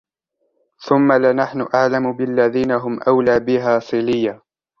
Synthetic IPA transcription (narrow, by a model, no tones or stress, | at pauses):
θʊmːalɪnaħnʊʔaʕlamʊbɪlːaðiːnaɦʊmʔawlaːbɪɦaːsˤɨlɪjːa